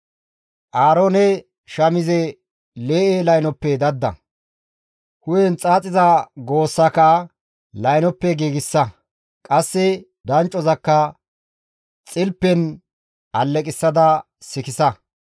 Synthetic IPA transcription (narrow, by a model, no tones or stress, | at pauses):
ʔaːɾoːnɛ | ʃɐmɪzɛ | leːʔelɐjnɔpːɛd̪ɐd̪ːɐ̰ | hʊjɛnt͡sʼaːt͡sʼɪzɐɡo̞ːsːɐkɐ | lɐjnɔpːɛɡiːɡɪsːɐ | kʼɐsːɛ | d̪ɐnt͡ʃʼːɔzɐkːɐ | t͡sʼɪlpːɛn | ʔɐlːɛkʼɪsːɐd̪ɐ | sɪkɪsɐ